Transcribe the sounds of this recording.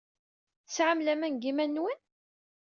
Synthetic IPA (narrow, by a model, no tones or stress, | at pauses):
sʕamlæmænɡimænːwən